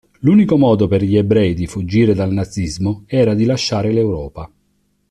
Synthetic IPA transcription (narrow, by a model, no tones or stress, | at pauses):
luːnikomɔːd̪operʎiɛbɾɛjd̪ifud͡ʒːiːɾed̪alnad̪zːizmoɛːɾad̪ilaʃːaːɾɪlewɾɔːpa